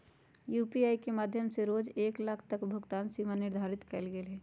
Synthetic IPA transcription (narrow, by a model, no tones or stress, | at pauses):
juːpiaːikemaːd̪ʱjəmseɾoːd͡ʒeːklaːkʰt̪əkbʱʊɡt̪aːnsiːmanɪɾd̪ʱaːɾɪt̪kəlɡelɦɛː